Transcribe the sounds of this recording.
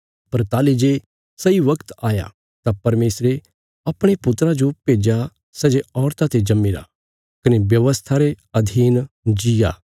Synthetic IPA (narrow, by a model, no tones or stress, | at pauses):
pɐɾt̪aːlid͡ʒe | sɐiʋɐkt̪aːja̰ | t̪apɐɾmeːsɾe | ɐpɽ̃epʊt̪ɾad͡ʒopeːd͡ʒa | sɛd͡ʒeɔːɾt̪at̪ed͡ʒɐmːiɾa̰ | kɐnebjɐʋəst̪ʰaɾe | ɐd̪ʱiːn | d͡ʒijaː